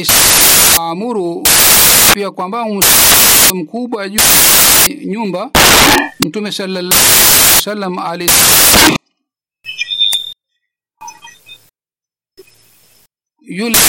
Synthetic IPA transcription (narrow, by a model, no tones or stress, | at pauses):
sʔamuɾu | pijakwambaŋunsamkubad͡ʒu | ɲumba | mutumɛsalːalːasalːamales | jul